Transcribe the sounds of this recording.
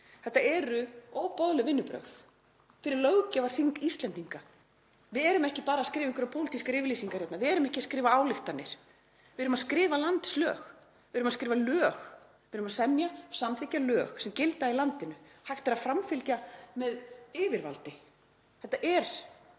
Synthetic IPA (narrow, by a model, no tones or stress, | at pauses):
θɛht̪ːaɛɾʏoːwpɔðlʏvɪnːʏpɾœ̰ɣð | fɪɾɪɾlœwcavaɾ̥θiŋkist̪lɛnt̪iŋka | vɪðɛɾʏmɛhcɪpaːɾaðskɾɪːvɪŋkʰvɾapʰowlit̪iskaɾɪːvɾliːsiŋkaɾ̥jɛt̪navɪðɛɾʏmɛhcɪaskɾɪːvaaːwlɪxt̪anːɪɾ̥ | vɪðɾʏmaðskɾɪːvalant̪slœ̰ːx | vɪðɾʏmaðskɾɪːvalœːx | vɪɾʏmaðsɛmjasamθɪcːalœːxsɛmcɪlt̪ailant̪ɪnʏhajxt̪ɛɾaðfɾamfɪlcamɛðɪːvɪɾva̰lt̪ɪ | θɛht̪ːaʔɛɾ̥